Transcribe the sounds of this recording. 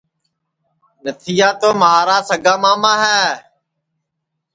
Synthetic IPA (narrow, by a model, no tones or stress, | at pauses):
nət̪ʰɪjaːt̪oːmɦaːɾaːsəɡaːmaːmãːɦɛː